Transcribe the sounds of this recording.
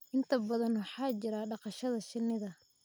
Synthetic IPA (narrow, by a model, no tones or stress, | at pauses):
ʔɪnt̪ʰɐbɐðɐnwɑħɑːt͡ʃɪɾaːɖɑqɑʃɐðɐʃɪnːɪðɐ